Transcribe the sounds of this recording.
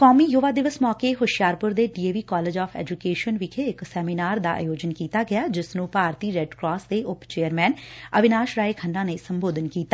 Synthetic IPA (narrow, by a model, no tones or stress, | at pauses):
kɔːmiːjʊʋaːd̪ɪʋəsmɔːkeːɦʊʃjaːɾpʊɾd̪eːɖiːeːʋiːkɔːleːd͡ʒaːpʰɛ̰ːd͡ʒukeːʃənʋɪkʰeːɪksɛːminaːɾd̪a̰ːʔa̰ːjoːd͡ʒənkiːt̪aːɡɪjaːd͡ʒɪsnũːpaːɾt̪iːɾɛːɖkɾɔːsd̪eːʔʊpt͡ʃeːəɾmɛːnəʋɪnaːʃɾaːeːkʰəɳɖãːneːsəmboːd̪ənkiːt̪aː